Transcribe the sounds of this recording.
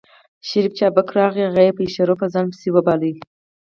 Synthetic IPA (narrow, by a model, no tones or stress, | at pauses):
ʃɪɾift͡ʃɑbakɾɑɣiaɣajepəiʃaɾofazɑnpə̥siwəbɑləi